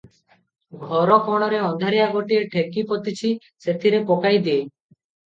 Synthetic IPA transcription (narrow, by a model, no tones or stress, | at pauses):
ɡʱɔɾɔkɔɽ̃ɔɾeɔnd̪ʱaɾijaɡoʈieʈʰekipɔt̪it͡ʃʰi | set̪ʰiɾekokajd̪ie